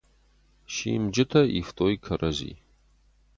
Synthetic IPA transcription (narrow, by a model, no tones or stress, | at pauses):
ʃiːmd͡ʒɪtʰɐḭftʰʼoːikʰɐɾʔɐzḭː